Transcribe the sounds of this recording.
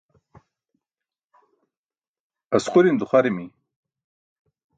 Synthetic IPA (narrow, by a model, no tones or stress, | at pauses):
asquɾind̪uχaɾimi